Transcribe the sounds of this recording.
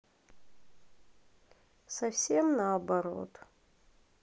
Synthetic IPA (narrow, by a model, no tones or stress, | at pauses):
sɐfsʲemnaːbaɾo̞̰t̪